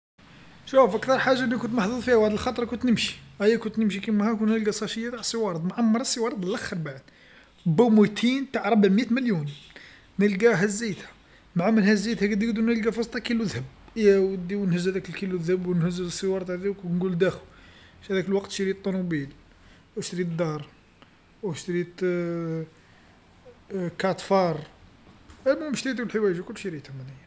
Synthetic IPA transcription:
ʃufʔækt̪ɑɾˤħaʒːaʔnːækʊnt̪maħd̪uðˤfihæwaʕd̪əlxɑt̪ˤɾˤɑkʊnt̪nəmʃi̥ʔæjːækʊnt̪nəmʃikimæhækunt̪nəlɡæsˤɑʃəjːat̪aʕsˤːəwɑɾˤd̪ˤmʕamːɑɾˤɑsˤːəwɑɾˤd̪ˤəlʔæxːəɾˤbaʕəd̪ | bæmut̪ʰint̪aʕɾˤɑbəʕmjæt̪məljun | nəlɡæɦæzːijt̪hæ | maʕamənhæzːit̪hæɡəd̪iɡd̪unəlɡæfɑst̪ːˤɑkiluðhəb̚jæwəd̪iwnhəzːhæd̪ækəlkiluðhəbwnhəzːsˤːəwɑɾˤɑt̪hd̪iknɡuld̪æxʃæd̪ækəlwɑqt̪ʃiɾit̪ˤːɑnubil | wʃt̪ɾit̪d̪ɑɾˤ | wəʃt̪ɾit̪ | kɑt̪fɑɾˤ | ælmumʃt̪ɾit̪ɡulħəwæʒakʊlːʃiɾit̪hæmæd̪ij

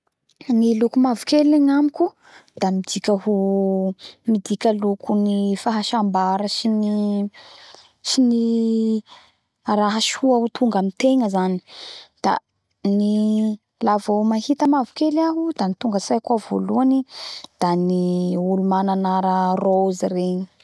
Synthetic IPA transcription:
nilukumavukeleŋamikʲu | d̪̥amid̪ikʲəɦu | mid̪ikʲəlukʰunifaɦaʃambaɾəsini | sini | raɦaʃhuaɦut̪ʰuŋɡamit̪eŋəzani̥d̪̥a̰ | ni | lavomahit̪əmavukelaɦud̪anit̪uŋɡəsajkuavo̰luanid̪̥aniulumananaɾarouzireɲi

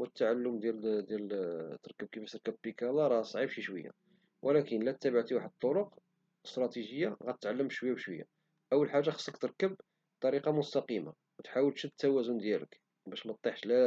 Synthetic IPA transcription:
wət̪ːaʕalːʊmd̪jæld̪jælt̪ːəɾˤkəb̚kifæt̪ːəɾkæb̚bikælɑɾˤɑsˤʕibʃiʃwəjːa̰ | wʔəlækənlæt̪ːæbəʕt̪iwaħəd̪̚t̪ˤːoɾoq | əst̪ɾˤɑt̪iʒəjːaɣæt̪ət̪ʕalːəmʃwəjːæbʃwəjːa̰ | ʔəwːəlħaʒːaxə̥sˤːəkt̪əɾˤkəb̚ | t̪ˤɑɾiqɑmʊst̪ɑqima̰ | wt̪ħawəlʃət̪ːæwæzʊnd̪jælə̰k | bæʃmɑt̪ˤːiħʃlæ

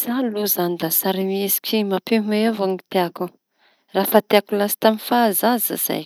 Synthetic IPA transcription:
zaluzand̪asaɾimisi̥kʲimapemeavaŋit̪eaku | rafat̪eakulasi̥t̪amifazaza̰z̥a̰j

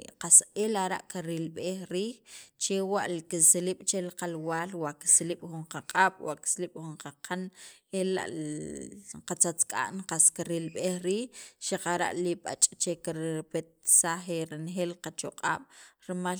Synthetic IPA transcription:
qaseːlaɾaʔkaɾilɓeːxɾiːxt͡ʃewaʔlkisliɓ̥t͡ʃelqalwaːlwaʔki̥sliɓ̥χuɴqaqʼaːɓ̥wa̰ʔki̥sliɓ̥xuɴqaqʰanela̰ʔ | qat͡sat͡skʼa̰ʔnqaskiɾilɓeːxɾiːxʃaqaɾa̰ʔliɓa̰t͡ʃʼt͡ʃekiɾpet̪̚saxeɾinxeːlqat͡ʃoqʼa̰ːɓ̥ɾma

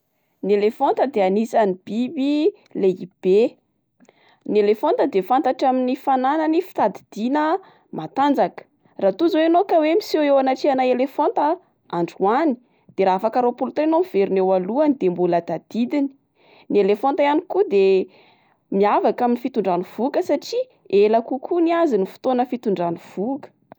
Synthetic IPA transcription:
nielefont̪əd̪eanisanib̥ibi | leib̥e | nielefont̪əd̪efant̪aʈ͡ʂaminifananənifi̥t̪ad̪id̪̥inə | mat̪and͡zakə̥ | rat̪uzwenokawemisewewanaʈ͡ʂianajelefont̪ə | aɳɖ͡ʐuani̥ | d̪̥eɾaafakaɾopult̪enomiv̥eɾinewaluənid̪̥embuləd̪ad̪̥id̪ini̥ | nielefont̪ajanikud̪e | miavakaminifit̪uɳɖ͡ʐanuv̥ukəsaʈ͡ʂi | elakukʰuniazinifu̥t̪onəfit̪uɳɖ͡ʐanuv̥ukə̥

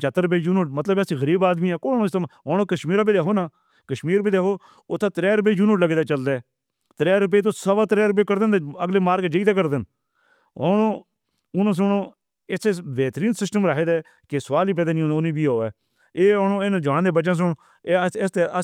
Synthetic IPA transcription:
t͡ʃat̪ːəɾəp̬eːd͡ʒuːnoːʈmət̪ləbɛsĩːɣəɾiːbaːd̪miːɛːkoːnõːst̪əmɦõːoːkəʃmiːɾaːbid̪eːɦoːnaː | kəʃmiːɾbid̪aːɦoː | ʊt̪ʰːãt̪ɾɛːɾʊp̬eːd͡ʒuːnoːʈləɡeːd̪aːt͡ʃəld̪eː | t̪ɾɛːɾʊp̬eːt̪̬õːsəbaːt̪ɾɛːɾʊp̬eːkəɾd̪end̪eəɡleːmaːɾɡd͡ʒəiːt̪eːkəɾd̪ɪn | ɦoːnoː | ʊnãːs̬ʊɳõː | et̪ʰːeʋeːt̪ɾiːnsɪsʈəmɾakʰeːd̪ɛː | kɪsəʋaːliːp̬ɛːd̪aːnĩːonĩːbiːɦoːɛː | eːoːnoːenãːd͡ʒəʋaːnd̪eːbət͡ʃãːs̬ʊɳː | t̪e

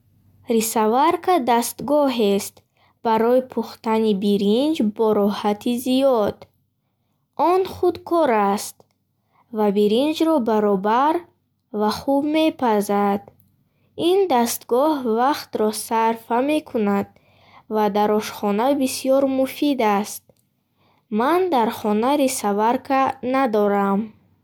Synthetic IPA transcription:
risavaɾkʰad̪ast̪ɡɔɦest̪ | b̥aɾɔipʰuχt̪anibiɾind͡ʒbɔɾɔhat̪ʰizijɔd̪̥ | ɔnχud̪kʰɔɾast̪ | vabiɾind͡ʒɾɔbaɾɔbaɾ | vaχubme̞pʰazad̪̥ | ind̪ast̪ɡɔhvaχt̪ɾɔsaɾfame̞kʰunad̪̚ | vad̪aɾɔʃχɔnabisijɔɾmufid̪ast̪̚ | mand̪aɾχɔnaɾisavaɾkʰanad̪ɔɾam

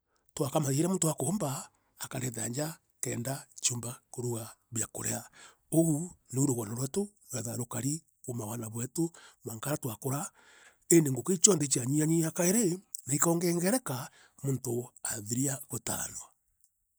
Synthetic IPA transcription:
twakamaeɾamoːntowakoːmbaː | kaɾɛða̰ɲd͡ʒa | kɛːndat͡ʃoːmbakoɾuɣa | βjako̰ɾea | oɣuneuɾoɣwanaɾwɛto | wɛðaɾokaɾi | ɣomawanaβwɛtomaŋkaɾatwakoɾa | endeŋɡoket͡ʃɔndet͡ʃiaɲiaɲiakaeɾenaikɔːŋɡɛːŋɡɛɾɛka | montoaðiɾiaɣota̰ɾa̰nwa

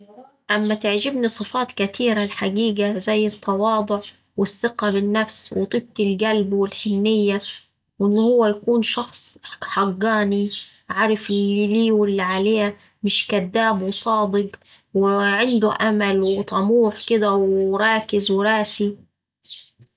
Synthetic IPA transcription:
ʔamːat̪ɪʕd͡ʒɪbnisˤɨfɑːt̪kat̪iːɾalħaɡiːɡazajːɨt̪ʰˤːɑwɑːd̪ˤʊʕ | wɪsːɪqabɪnːafswɪt̪ˤiːb̚t̪ɪlɡalbwɪlħɪnːɪjːa | wʔɪnːʊhʊwːajakuːnʃɑxsˤħɑɡːɑːni | ʕaɾˤɪfʔɪlːiliːwɪlːiʕaleːha | mɪʃkad̪ːaːbwɪsˤɑːd̪ˤɨɡ | wɪʕɪnd̪ʊʔamalwɪt̪ˤɑmuːħkɪd̪awɾˤɑːkɪzwɪɾˤɑːsi

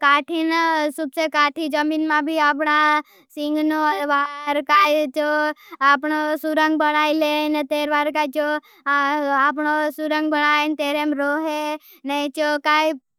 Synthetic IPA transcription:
kaːʈʰinsubsekaːʈʰid͡ʒɐminmãbʱiap̬na | sɪ̃ŋɡnoʋaːɾkaːt͡ʃoapnosuɾə̃ŋɡbəɽaːilent̪eːɾʋaːɾkat͡ʃo | ap̬nosuɾə̃ŋɡ̚bɐɽ̃aːent̪eːɾemɾoːɦe | nɐ̃t͡ʃokaːi

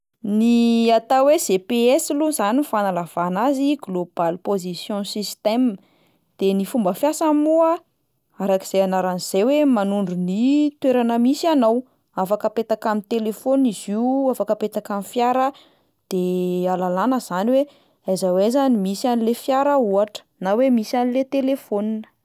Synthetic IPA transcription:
niat̪awez̥epeɛsiluzanifanalav̥anaziɡlob̥alpozisjɔ̃sist̪ɛm | d̪̥enifumbəfjasamua | aɾaki̥z̥ejanaɾaniz̥ewemanuɳɖ͡ʐunit̪weɾanəmisanaw | afakəpet̪akamit̪elefoniziuafakəpet̪akamifjaɾə | d̪̥ealalanəz̥aniwe | ajzawezanimisianilefjaɾəuaʈ͡ʂə̥nawemisanilet̪elefoninə̥

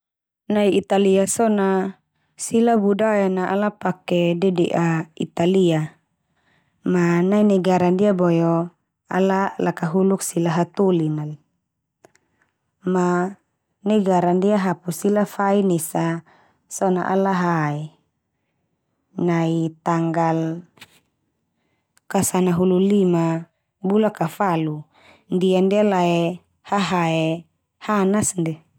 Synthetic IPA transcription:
naiit̪aliasɔna | silabudajanaʔalapakedɛdiʔaḭt̪alia | manainɛɡaɾandiabɔjo | a̰lalakaɦuluksilaɦat̪ulinal | ma | nɛɡaɾandiaɦapusilafainɛsa | sɔna̰ʔa̰laɦaɛ | nait̪aŋɡal | kasanaɦululima | bulakafalu | ndiandialaɛ | haɦaɛ | hanasndɛ

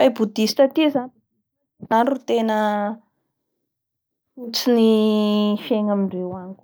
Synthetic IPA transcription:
ajbud̪ist̪ət̪izan | naɳɖ͡ʐut̪enə | ut͡sini | feŋamiɳɖ͡ʐewanikʲ

